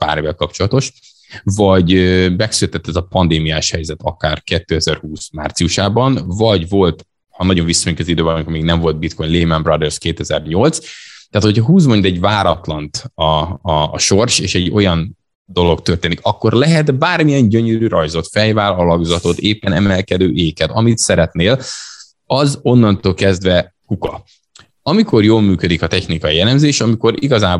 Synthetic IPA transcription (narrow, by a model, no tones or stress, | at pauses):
pa̰ːɾevɛlkɒpt͡ʃolɒt̪o̞ʃ | vɒɟøbɛksylɛt̪ɛt̪ːɛzɒpɒnd̪eːmijaːʃhɛjzɛt̪ɒ̰kaːrkɛt̪ːøːɛzɛrhuːsmaːrt̪sijuʃaːbɒnvɒɟvo̞lt̪ | hɒnɒɟo̞ɱvisːoɲukɛzid̪øːbɛnmikormiːɡnɛɱvo̞ld̪̚bit̪ko̞jɲnleːmambrɒd̪ɛrskeːt̪ɛzɛrɲo̞lt̪st̪ːaːt̪ho̞cʰɒɦuːzmo̞ɲd̪ɛɟvaːɾɒt̪lɒnt̪ɒː | ʃo̞rʃeːʃɛɟo̞jɒn | d̪o̞lo̞kt̪ørt̪eːnikɒkːo̞rlɛɦɛt̪baːrmijɛnɟøɲøɾyɾɒjzo̞t̪fɛjvaːlɒlɒɡzɒt̪o̞t̪eːpːɛnɛmɛlkɛd̪øːʔeːkɛt̪ɒmit̪sɛɾɛt̪neːl | ɒzo̞nːɒnt̪oːlkɛzd̪ʋɛ | kukɒ | ɒmiko̞rjoːlmyːkød̪ikɒt̪ɛçnikɒjiɛlɛmzeːʃɒmiko̞ɾiɡɒzaː